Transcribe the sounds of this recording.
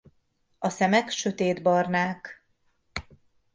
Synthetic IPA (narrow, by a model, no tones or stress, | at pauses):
ɒsɛmɛkʃø̞t̪eːd̪bɒrnaːk